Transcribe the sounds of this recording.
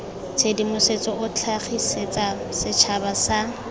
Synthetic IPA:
t͡sʰedimʊset͡sʼɔʔʊt͡ɬʰaχiset͡sʼasɪt͡ʃʰabasa

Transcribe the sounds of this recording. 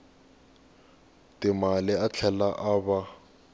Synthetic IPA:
tɪmalɪat͡ɬʰɛlaʔaba

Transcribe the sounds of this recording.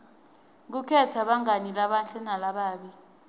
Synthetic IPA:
k̬ukʰɛtʰaɓaŋanilaɓant͡ɬɛnalaɓaːɓi

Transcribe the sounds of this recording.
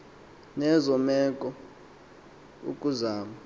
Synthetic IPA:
nɛzɔmɛkʼɔ | ṵkʼuzaːma

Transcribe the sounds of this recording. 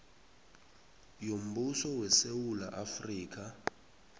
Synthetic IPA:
jom̩busɔwɛsewulaʔafriːk̬ʰa

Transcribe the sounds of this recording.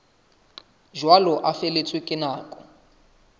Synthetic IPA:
ʒwalɔʔafelet͡sʰwɪkʼɪnaːkʼɔ

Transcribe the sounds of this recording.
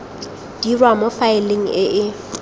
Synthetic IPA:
d̥irwamofaɪleŋ̩ɪʔɪ

